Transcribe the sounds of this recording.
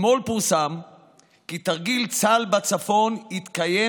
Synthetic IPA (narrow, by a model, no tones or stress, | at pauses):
mo̞lpuʁsam | kit̪aʁɡilt͡salbat͡safo̞nhit̪kaje